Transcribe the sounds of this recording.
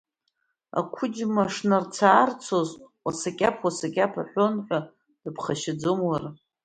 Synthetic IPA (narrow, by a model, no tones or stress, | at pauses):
a̰kʷʰʊd͡ʒmaʂnart͡sʰaːrt͡sʰozwasakʲʼapʰwasakʲʼapʰaħʷonħʷa | d̥ɨpʰχaʃɪd͡zomwar